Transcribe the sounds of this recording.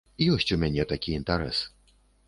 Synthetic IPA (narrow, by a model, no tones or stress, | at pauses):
ijɔsʲt͡sʲumʲanʲɛt̪akʲiint̪ɛɾɛ̰sɨ̥